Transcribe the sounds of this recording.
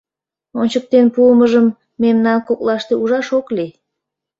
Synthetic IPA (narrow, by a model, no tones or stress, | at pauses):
onʲt͡ɕək̚t̪enpuəməʒəmː | emnɑnkoklɑʃt̪euʒɑʃokli